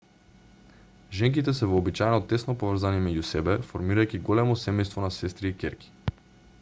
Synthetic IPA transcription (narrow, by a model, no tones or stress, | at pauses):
ʒɛŋk̬it̪ɛsɛvɔːbit͡ʃajɛnɔt̪ɛsnɔpovr̩zanimɛɟusɛbɛfoɾmiɾajkʲiɡɔlɛmɔsɛmɛjst̪vɔnasɛst̪ɾiːkʲɛɾkʲi̥